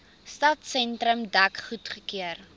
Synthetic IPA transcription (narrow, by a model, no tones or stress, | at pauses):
stɐtsɛntɾəmdɐkχutχəkiər